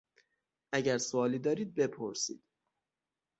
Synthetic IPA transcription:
ʔæɟæɾsoɒːlid̪ɒːɾiːd̪̚be̞pʰoɾsḭːd̪̥

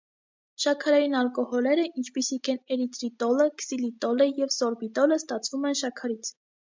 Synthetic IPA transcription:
ʃɑkʰɑɾɑjinɑlkɔhɔlɛɾəʔint͡ʃʰpisikʰɛnɛɾit̪ɾit̪ɔləksilit̪ɔləjɛvsɔɾbit̪ɔləst̪ɑt͡sʰvumɛnʃɑkʰɑɾit͡sʰ

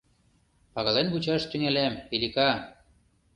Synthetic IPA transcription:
pɑɣɑlenβut͡ɕɑʃt̪yŋelemilʲikɑ

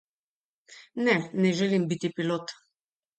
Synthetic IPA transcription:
nɛnɛʒɛlimbit̪ipiloːt̪

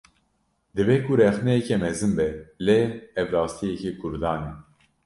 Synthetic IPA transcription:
d̪ɨbekʰuɾɛxnɛɛkɛmɛzɨnbɛleɛvɾɑːst̪ʰijɛkekʰʊɾd̪ɑːnɛ

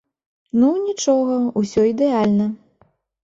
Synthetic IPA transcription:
nunʲit͡ʂɔɣɐusʲɔid̪ɛalʲnɐ

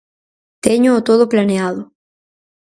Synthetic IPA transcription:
t̪eɲoːt̪oðoplaneaðo

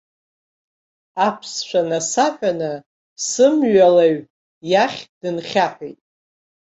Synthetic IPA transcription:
apʰsʃʷʰanasaħʷᶣanɨ | sɨmɥalaɥ | jaχʲd̥ɨnχʲaħʷᶣijtʼ

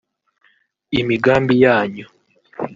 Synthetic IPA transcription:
imiɡaːmbijaːɲo

